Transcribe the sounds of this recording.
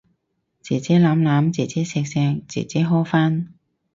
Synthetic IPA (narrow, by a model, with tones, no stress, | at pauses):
t͡siː˨˩t͡siː˨˥laː˨˥mlaː˨˥mt͡siː˨˩t͡siː˨˥sɛː˧k̚sɛː˧ŋt͡siː˨˩t͡siː˨˥ɦɔː˥faː˥n